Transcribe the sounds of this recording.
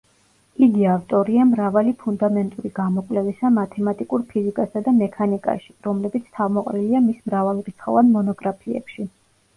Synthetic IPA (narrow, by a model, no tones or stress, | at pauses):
id̪iavt̪ʼɔɾiamɾavalipʰund̪amɛnt̪ʼuɾiɡamɔkʼlɛvisamat̪ʰɛmat̪ʼikʼuɾpʰizikʼasad̪amɛkʰanikʼa̰ʃi̥ɾɔmlɛbit̪sʰt̪ʰavmɔqʼɾiliamismɾavalˠɾit̪sʰχɔ̰vanmɔnɔɡɾapʰiɛ̰pʃi